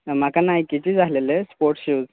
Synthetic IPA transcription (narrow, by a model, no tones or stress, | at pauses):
m̤akanaɦjkit͡ɕid͡zalelespoɾʈɕiːd͡z